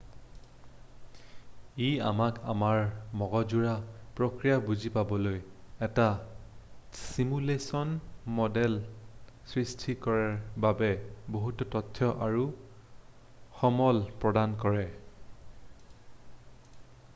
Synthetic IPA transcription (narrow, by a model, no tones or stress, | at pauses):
ia̰maka̰maɹmɔɡɔd͡ʒuɹapɹokɹijabuzipabɔlojɛta | simulesɔnmɔdɛl | sɹistʰikɔɹaɹbabɛboɦutɔtɔtʰːjɔʔaɹu | xɔmɔlpɹɔdankɔɹɛ